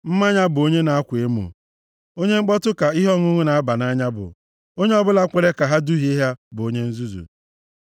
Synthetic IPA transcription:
m̩˦ma˦ɲa˦bʊ˨o˦ɲe˦na˨a˦kʷe˦mṵ˨ | o˦ɲe˦ŋ͡m̩˦k͡pɔ˦tʊ˦ka˨i˦ɦɔ˦ŋʊ˦ŋʊ˦na˨a˦ba˨na˦ɲa˦bʊ̰˨ | o˦ɲe˦ɔ˦bʊ˦la˦kʷe˨ɾe˦ka˨ɦa˦du˦ɦi˦i˦ɦa˦bʊ˨o˦ɲe˦n̩˦zu˦zṵ˨

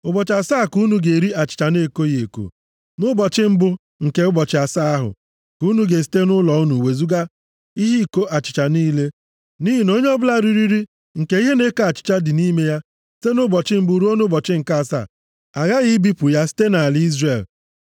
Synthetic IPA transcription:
ʊ˨bɔ˨t͡ʃa˨saː˦˨ku˦nu˨ɡe˨ɾi˦a˨t͡ʃɪ̥˨t͡ʃa˨ne˦˨ko˦je˨ko̰˨ | nʊ˦bɔ˨t͡ʃɪ˦m̩˦bʊ˦ | ŋ̩˨ke˨˦ʊ˦bɔ˨t͡ʃɪ˨a˨sa˦a˦ɦʊ̰˨ | ku˦nu˦ɡe˨s̬i̥˦te˦nʊ˦lɔ˨u˦nu˨we˨zu˦ɡa˦ | i˦ɦi˦i˨ko˦ʔa˨t͡ʃɪ˨t͡ʃa˨niː˦le˦ | ni˦ɦi˨no˦ɲe˦ɔ˦bʊ˦la˦ɾi˦ɾi˦ɾi˦ | ŋ̩˨ke˨i˦ɦe˦ne˦ko˦a˨t͡ʃɪ̥˨t͡ʃa˦dɪ˨ni˦me˦ja˦ | si̥˦te˦nʊ˦bɔ˨t͡ʃɪ˦m̩˦bu˦ɾu˦o˦nʊ˦bɔ˨t͡ʃɪ˦ŋ̩˨ka˦˨sa̰˦˨ | a˨ɣa˦ɣi˦bi˦pʊ˨ja˦si̥˦te˦na˨a˨lɪ˦i˦zre˨l

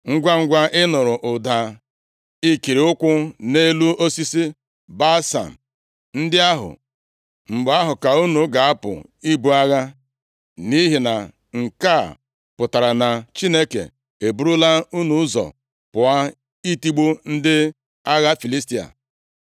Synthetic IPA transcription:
ŋ̩˦ɡʷa˦ŋ̩˦ɡʷa˦ʔɪ˦nʊ˨ɾʊ˨ʔʊ˨da˨ | i˦ki˨ɾi˨ʊ˦kʷʊ˦ne˦lu˦o˦si˦si˦ | ba˦sa̰˨m̩˨ | n̩˦dɪ˦a˦ɦʊ̰˨ | ŋ͡m̩˨ɡ͡ba˦ɦʊ˨ka˨u˦nu˨˦ɡa˨a˦pʊ̰˨i˦bu˦a˦ɣa˦ | ni˦ɦi˨na˨ | ŋ̩˨ka˦˨ | pʊ˨ta˨ɾa˨na˨t͡ʃi˦ne˦kḛ˨ | e˨bu˦ɾʊ˦la˦u˦nu˨˦zɔ̰˨ | pʊ˨a˦ | i˦ti˦ɡ͡bu˦n̩˦dɪ˦ | a˦ɣa˦fi˨li˦sti˨a̰˨

